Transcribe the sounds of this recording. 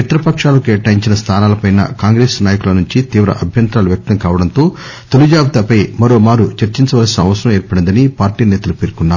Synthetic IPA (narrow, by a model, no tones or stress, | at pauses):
ɐt̪ɾɐpɐkʂaːlokɛːʈaːjiɲt͡ʃinɐst̪ʰaːnaːlɐpɐjnɐ̰kaːŋɡɾeːsnaːjɐkulɐnuɲt͡ʃit̪iːʋɾɐ̰ʔɐbʱjɐnt̪ɾaːluʋjɐk̚t̪ɐŋkaːʋɐɽɐnt̪o̞ː | t̪olud͡ʒaːbt̪ɐpɐjmɐɾo̞ːmaːɾut͡ʃɐɾt͡ʃiɲt͡ʃɐʋɐlɐsinɐɐʋɐsɐɾɐmeːɾpɐɽind̪ɐnipaːɾʈiːnɛːt̪ɐlupeːɾkunːaːu